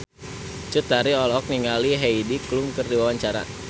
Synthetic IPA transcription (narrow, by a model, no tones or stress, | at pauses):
t͡ʃut̪aɾiɔlɔk̚niŋaliɦeidikluŋkɨrdiwawaɲt͡ʃaɾa̰